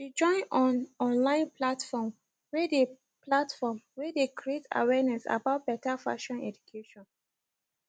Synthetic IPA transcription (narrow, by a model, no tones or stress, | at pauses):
wid͡ʒɔ̃ɪ̃nɔ̃nɔ̃nlãɪ̃nplatfɔm | wede | platfɔmwɛdekɾieta̰wɛnɛsa̰baʊt̚b̥ɛtafa̰ʃɔ̃nɛ̰d͡ʒukʰeʃɔ̃n